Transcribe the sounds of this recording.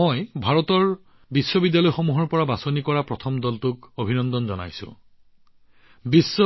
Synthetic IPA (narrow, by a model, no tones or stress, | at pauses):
ɔjbʱaɹɔtɔɹ | bisːɔbidjalɔjxomuɦɔɹpɔɹabasonikɔɹapɹɔtʰɔmdɔltʊkobʱinɔnd̪ɔnzɔna̰jsʊ̰̃ | bisːɔ